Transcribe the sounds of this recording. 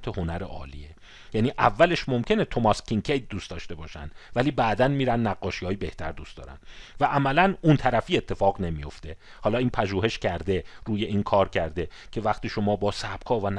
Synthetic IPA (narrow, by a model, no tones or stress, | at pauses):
t̪ʰeho̞næɾḛʔɒ̰ːlḭːe | jæniːʔævːæle̞ʃmo̞mcʰe̞net̪ʰo̞mɒskʰiŋcʰejt̪̚d̪uːst̪ɒːʃt̪e̞bɒːʃæ̰nd̪̥væliːbæːd̪ænmiːɾænːæɡːɒːʃihɒːjibe̞ht̪ʰæɾd̪uːst̪ɒ̰ːɾæ̰nd̪væʔæmælænunt̪ʰæɾæfiːe̞t̪ʰːe̞fɒːɣne̞mijo̞ft̪e̞ | hɒːlɒːiːnpʰæʒuːhe̞ʃcʰæɾd̪e̞ɾuːje̞ʔiːnkʰɒːɾcʰæɾd̪e̞ | cʰe̞væχt̪iːʃo̞mɒːbɒːsæb̥̚kʰɒːvæn